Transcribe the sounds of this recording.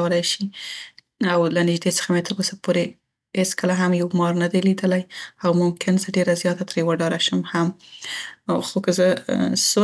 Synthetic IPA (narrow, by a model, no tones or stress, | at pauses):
wəlajʃi | awlanɪʒd̪et͡sə̥xamet̪əɾosapoɾe | het͡skəlaɦamjawmɑɾnad̪ajlid̪əlajawmʊmkɪnzəɖeɾazjɑt̪at̪əɾejəwaɖɑɾaʃəmham | xokəzəso